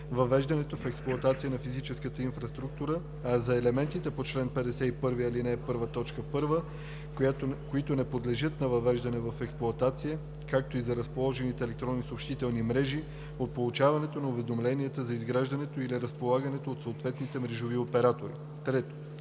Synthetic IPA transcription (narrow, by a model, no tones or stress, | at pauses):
vɐvɛʒd̪ɐnɛt̪ofɛksplˠuoɐt̪at̪sijənɐfizit͡ʃɛskət̪əinfɾɐst̪ɾuk̚t̪uɾə | ɐzɐɛlɛmɛnt̪it̪ɛpot͡ʃlɛnpɛd̪ɛsɛipɤɾviɐlinɛpɤɾvət̪ɔt͡ʃkəfpɤɾvə | koit̪onɛpod̪lɛʒɤt̪nɐvɐvɛʒd̪ɐnɛvɐfɛksplˠʊɐt̪at̪sijə | kak̚t̪oizɐɾɐspolˠɔʒɛnit̪ɛːlɛk̚t̪ɾɔnːisopʃt̪it̪ɛlˠnimɾɛʒi | ot̪̚polˠut͡ʃavɐnɛt̪onɐʊvɛd̪omlɛniɛt̪əzɐizɡɾaʒd̪ɐnɛt̪oiliɾəspolˠaɡɐnɛt̪oːt̪soːt̪vɛt̪nit̪ɛmɾɛʒoviopɛɾat̪oɾḭ | t̪ɾɛt̪o̥